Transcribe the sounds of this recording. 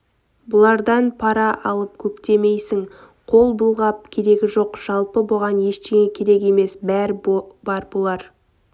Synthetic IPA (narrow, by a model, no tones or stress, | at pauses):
bʊlˠɑɾd̪ɑnpʰɑɾɑʔɑlˠəp̚kʲʰɵkt̪e̞me̞jsɪŋ | qʰo̞lˠbəlˠʁɑp̚kʲʰe̞ɾe̞ɡʲɪʒo̞qʒ̥ɑlˠpəboʁɑnje̞ʃt̪e̞ŋʲe̞kʲʰe̞ɾe̞ke̞me̞sbæɾɪb̥ɑɾbolˠɑɾ